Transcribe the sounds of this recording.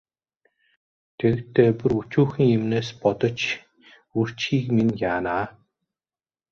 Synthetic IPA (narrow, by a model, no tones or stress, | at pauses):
t̪ʰeɣɘ̆k̚t̪ʰeːpɘ̆rut͡ɕuːxiːŋemneːspɔt̪ɞ̆t͡ɕ | ur̥t͡ɕxiːkminjaːnaː